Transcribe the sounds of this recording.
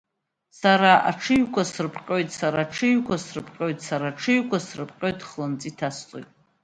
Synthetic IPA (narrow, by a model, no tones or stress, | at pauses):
saɾaʔa̰ʈ͡ʂʰɨɥkʷasrɨpʰʼqʲʼojtʼsaɾaʈ͡ʂʰɨɥkʷʰasrɨpʼqʲʼojtʼsaɾaʈ͡ʂʰɨɥkʷasrɨpʼqʲʼojtʰʼχlɨnt͡sʼitʰast͡sʼo̰jtʼ